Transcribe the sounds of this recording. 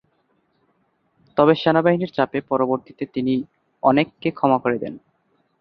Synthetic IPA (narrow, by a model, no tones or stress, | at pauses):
t̪ɔbeʃɛnabaɦiniɾt͡ɕapepɔɾoboɾt̪it̪et̪ini | ɔnekːekʰɔmakoɾed̪ɛ̰n